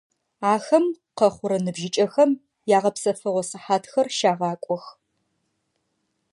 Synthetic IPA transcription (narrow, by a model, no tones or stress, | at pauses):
aːxɐm | qɐχʷʊɾɐnɨbʒɪt͡ʃʼɐxɐm | jaːʁɐpsɐfɨʁʷɔsɨħaːtʰxɐrʃaːʁɑːkʷʼɔx